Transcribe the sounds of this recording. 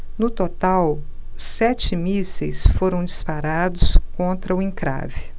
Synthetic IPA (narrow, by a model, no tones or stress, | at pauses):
nʊt̪ot̪awsɛt͡ʃɪmisejsfoɾɐ̃w̃d͡ʒispaɾad̪ʊskõnt̪ɾɐʊĩkɾa̰vɪ